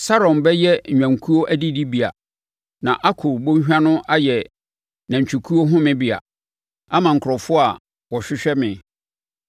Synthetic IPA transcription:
sa˦ɾɔ̃˨nbɛ˦jɛ˦ɲ̩ᶣ˨ã˨ŋ˨kʰu˦o˦ʔæ˦di˦di˦bi˨a̰˨ | nã˨ʔa˦kʰʊ˨ɾbõ˦ɲ˦ɕᶣã˦nʊ̃˦ʔa˦jɛ˨ | nã˨ɲ˨t͡ɕʰᶣu˨kʰu˦o˦ɦʊ̃˦mɪ̃˦bi˨a̰˨ | a˦mã˨ŋ̩˨kʰʊ˨ɾɔ˨fʊ˦a˨ | wɔ˨ɕᶣɪ˦ɕᶣɛ˦mɪ̃˨

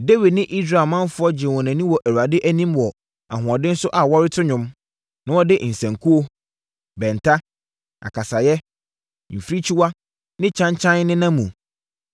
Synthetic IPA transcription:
de˦wi˨dnɪ̃˦ʔi˦sɾa˨mã˦n˦fʊ˦ɔ˦d͡ʑɪ̃˨wɔ̃˨nã˨nĩ˦wɔ˨ʔæ˨ɾu˨a˨dɪ˦ʔæ˦nĩ˦mwɔ˨ | a̰˨ɦʊ̃˨ɔ˨dɪ̃˦n̩˦sʊ˦ʔa˨wɔ˦ɾɪ˦tʰʊ˦ɲʊ̃˦m | nã˦wɔ˦dɪ˦n̩˨sɛ̃˨ŋkʰu˦o˦ | bɛ̃˨ntʰa˦ | a̰˨kʰa˨sa˨jɛ˦ | m̩˨fɾi˦t͡ɕʰi˦wa˦ | nɪ̃˦t͡ɕʰã˦ɲt͡ɕʰã˦n˦nɪ̃˦nã˦mũ˨

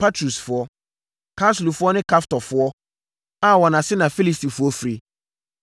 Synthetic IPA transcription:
pʰa˦tʰɾu˨sfʊ˨˦ɔ˦ | kʰa˦slu˨fʊ˦ɔ˦nɪ̃˦kʰa˦ftɔ˨fʊ˦ɔ˦ | a˦˨wɔ˨nã˨sɪ˦nã˨fi˦li˦˨sti˨fʊ˦ɔ˦fɾi˨

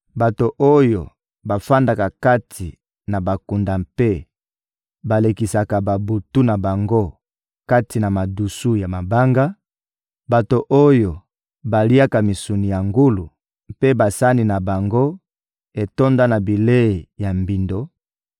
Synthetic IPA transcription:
ba˨to˨ʔo˦jo˨ | ba˨fa˦nda˨ka˨ka˦tʰi˨ | na˨ba˨ku˨nda˨mpe˦ | ba˨le˨ki˨sa˨ka˨ba˨bu˨tu˦na˨ba˨ŋɡo˦ | ka˦ti˨na˨ma˨du˨su˦ja˨ma˨ba˦ŋɡa˦ | ba˨to˨ʔo˦jo˨ | ba˨li˦a˦ka˨mi˨su˨ni˨ja˨ŋɡu˦lu˨ | pe˦ba˨sa˦ni˨na˨ba˨ŋɡo˦ | e˨to˦nda˦na˨bi˨le˦e˨ja˨mbi˨ndo˨

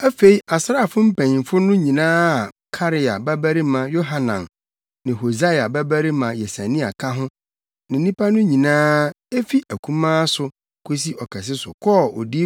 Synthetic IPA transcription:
æ˦fe˨i˦a˨sɾa˦˨fʊ˦m̩˦pʰæ̃˨ɲĩ˨fʊ˦nʊ̃˦ɲĩ˨nãː˦a˨ | kʰa˦ɾɪ˨a˨bæ˦bæ˦ɾi˦mã˨jo˦ɦa˨nã̰˨n | nɪ̃˨ɦo˨za˦ja˨bæ˦bæ˦ɾi˦mã˨jɛ˨sæ˨nĩ˦a̰˨kʰã˦ɦʊ̃˦ | nɪ̃˨˦nĩ˦pʰa˦nʊ̃˦ɲĩ˨nãː˦ | e˦fi˦ʔæ˨kʰũ˦mãː˦sʊ˨ | kʰo˦s̬i˦ʔɔ˨kʰɛ˨s̬ɪ˦sʊ̰˨kʰɔ˦ɔ̰˨di˦

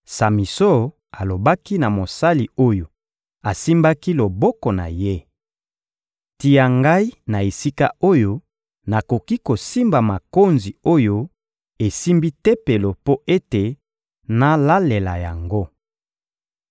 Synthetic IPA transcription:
sa˨mi˨so˦ | a˨lo˨ba˦ki˦na˨mo˨sa˦li˨o˦jo˨ | a˨si˦mba˦ki˦lo˨bɔ˦kɔ˨na̰˨je˦ | ti˨ja˨ŋɡa˦i˦na˨e˨si˦ka˦o˦jo˦ | na˨ko˨ki˦ko˨si˦mba˨ma˨ko˦nzi˨o˦jo˦ | e˨si˦mbi˦tɛ˦pe˨lo˨po˦ʔe˦te˨ | na˦la˦le˨la˨ja˨ŋɡo˦

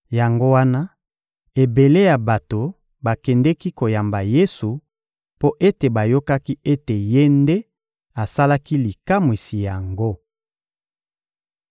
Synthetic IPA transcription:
ja˨ŋɡo˦wa˦na˦ | e˨be˨le˦ja˨ba˨to˨ | ba˨kɛ˨ndɛ˦ki˦ko˨ja˨mba˨je˦su˨ | po˦ʔe˦te˨ba˨jo˦ka˦ki˦e˦te˨je˦nde˦ | a˨sa˦la˦ki˦li˨ka˦mwi˨si˨ja˨ŋɡo˦

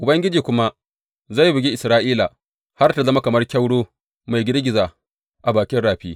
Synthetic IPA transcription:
ʔʊ˨bɐ˦ŋɡʲɪ˦d͡ʒiː˨kʷʊ˦ma˦ | za˦˨jbɪ˨ɡʲi˦ʔɪ˨sɾaː˦ʔiː˦la˨ | ha˦rta˨zɐ˦ma˦kɐ˨mɐ˦rkʲɐ˦wɽoː˦ | ma˨jɡʲɪ˦ɾɡʲɪ˨zaː˨ | ʔa˨baː˨kʲɪ˦nɽaː˨ɸiː˦

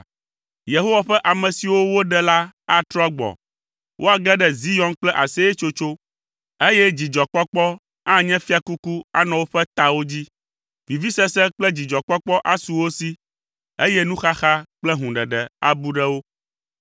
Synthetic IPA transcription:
je˨ɦo˦wa˨ɸɛ˦ʔa˨mɛ̃˨si˨wo˦wo˦ɖɛ˦la˦a˦t̪ɾɔ˦ɡ͡bɔ̰˨ | wʔo˦a˨ɡɛ˦ɖɛ˦zi˦jɔ̃˦nk͡plɛ˦ʔa˨sɛ˦ɛ˦t͡ʃo˦t͡ʃo˦ | e˦jɛ˦d͡ʑi˨d͡ʒɔ˨k͡pɔ˦k͡pɔ˦ | ã˦ɲɛ̃˦fi˦a˨ku˦ku˦a̰˦nɔ̃˨wo˦ɸɛ˦t̪a˨wo˦d͡ʑi˦ | vi˨vi˦sɛ˦sɛ˦k͡plɛ˦d͡ʑi˨d͡ʒɔ˨k͡pɔ˦k͡pɔ˦ʔa˦su˨wo˦si˦ | e˦jɛ˦nũ˦xa˦xa˦k͡plɛ˦ɦũ˨ɖɛ˨ɖɛ˨a̰˨bu˦ɖɛ˦wo˦

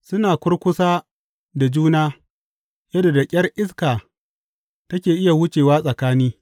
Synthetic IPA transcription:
sʊ˦naː˨kʷʊ˦rkʷʊ˦saː˦ | da˨d͡ʒuː˦naː˦ | jɐ˦do˨da˨kʲʼɐ˦rʔɪ˦skaː˨ | tɐ˦kʲeː˨ʔɪ˦ja˨wʊ˦t͡ʃeː˨waː˦sʼɐ˨kaː˦niː˦

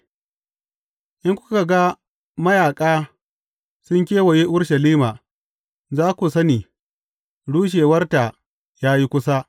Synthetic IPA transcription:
ʔɪ˦ŋkʷʊ̥˦ka˨ɡa˦ | mɐ˦jaː˨kʼaː˦ | sʊ˦ŋk̬ʲeː˦wɐ˨je˦ʔʊ˦ɽʃɐ˨liː˦maː˨ | zaː˦kʷu˨sɐ˦niː˨ | ɽuː˦ʃ̬eː˨wɐ˦rta˨ | jaː˦ji˦kʷʊ˦sa˦

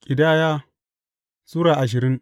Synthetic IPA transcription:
kʲʼɪ˨daː˦jaː˦ | suː˦ɾaː˨ʔa˨ʃ̬ɪ˨ɾɪ˦ŋ

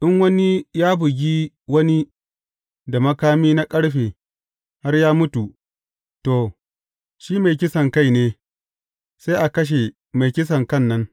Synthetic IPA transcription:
ʔɪ˦ŋwɐ˦ni˦jaː˦bʊ˨ɡʲiː˦ | wɐ˦ni˦ | da˨mɐ˦kaː˦miː˦na˦kʼɐ˦ɽɸeː˨ | ha˦rjaː˦mʊ˦tu˨ | to˨ | ʃiː˦ma˨jkʲɪ˦sɐ˨ŋka˦jneː˦ | sa˦jʔa˨kɐ˦ʃ̬e˨ | ma˨jkʲɪ˦s̬ɐ˨ŋkɐ˦˨nːɐ˦ŋ

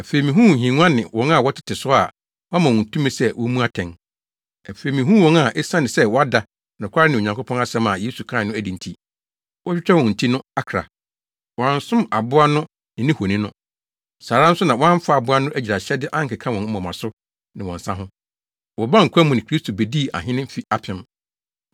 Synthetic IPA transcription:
æ˨fe˨i˨mĩ˨ɦũ˦˨ɦĩ˨ŋ˦ã˦nɪ̃˨wɔ̃˨˦ŋa˦˨wɔ˦tʰɪ̥˦tʰɪ˨sʊ˦a˨ | wɔ˦a˦mã˨wɔ̃˨n˨tʰũ˦mɪ̃˦sɛ˦wʔɔ˦mũ˦a˦tʰɛ̃˨n | æ˨fe˨i˨mĩ˨ɦũ˦wɔ̃˦ŋa˨ʔɛ˦sã˦nɪ̃˨sɛ˦wɔ˦a˦da˨ | nã˨kʷʰa˦ɾɪ˦nɪ̃˨o˨ɲã˨kʰʊ˦pʰɔ̃˦na˦sɛ̃˦mã˨je˦su˨kʰã˦˨nʊ̃˦æ˦di˨n̩˨tʰi˦ | wɔ˦t͡ɕᶣɪ˦t͡ɕᶣʰɛ˦wɔ̃˨n̩˨tʰi˦nʊ̃˦a˨kʰɾa̰˨ | wɔ˨ã˨n˦sʊ̃˦ma˨bʊ˦a˦nʊ̃˦ | nɪ̃˨nɪ̃˦ho˨nĩ˦nʊ̃˦ | saː˨ɾã˦n̩˦sʊ˦nã˨wɔ˦ã˦ɱ˦fa˨bʊ˦a˦nʊ̃˦ʔæ˦d͡ʑɾa˨ɕɛ˦dɪ˦ʔã˦ŋ̩˦kɪ˨kʰã˦wɔ̃˨ŋ̩˦mɔ̃˨mã˨sʊ˦ | nɪ̃˨wɔ̰̃˨n̩˨sã˦ɦʊ̃˦ | wɔ˨bã˦ŋ̩˨kʰʷa˦mʊ̃˨nɪ̃˨kʰɾi˦stʰo˨be˨di˦˨ʔa̰˨ɦɪ̃˦nɪ̃˦m̩˦fi˦a˨pʰɪ̃˦m

